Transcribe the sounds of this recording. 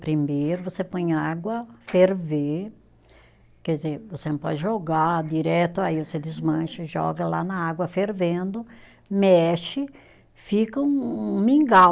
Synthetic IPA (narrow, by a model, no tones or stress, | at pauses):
pɾĩmeɾvosepõɲaɡwɐfeɾve | kɛd̪ɪzevosenɐ̃pɔ̰d͡ʒɪʒoɡad̪iɾɛt̪ʊaivosed̪ɪzmɐ̃ʃɐʒɔ̰ɡɐla̰nɐaɡwɐfeɾvẽnd̪ʊ | mɛʃɪ | fikɐũmĩŋɡa